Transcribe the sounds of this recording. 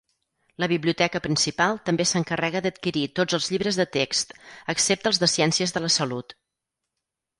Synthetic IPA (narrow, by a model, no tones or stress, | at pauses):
ləβiβliut̪ɛkəpɾinsipalˠt̪əmbesəŋkərɛɣəd̪ət̪̚kiɾit̪od͡zəlˠzʎiβɾəzðət̪ekst̪əksep̚t̪əlˠzðəsiɛnsiəzðələsəlut̪